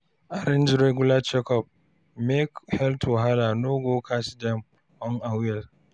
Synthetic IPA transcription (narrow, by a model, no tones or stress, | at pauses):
ʔaɾɪnd͡ʒɪɾeɡʊlat͡ʃɛkɔp̚ | mɛkhɛltʰoɦalanoɡokʰasdɛm | ʔɔŋʔawjɛl